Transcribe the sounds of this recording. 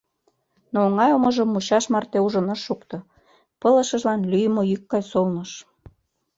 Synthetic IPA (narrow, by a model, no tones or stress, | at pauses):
noːŋɑjomɤ̆ʒəmːuɕɑʃmɑrt̪euʒə̆nɤʃːukt̪ɤ̆ | pɤlə̆ʃə̆ʒlɑnlyjmoykːɑjsolnɤʃ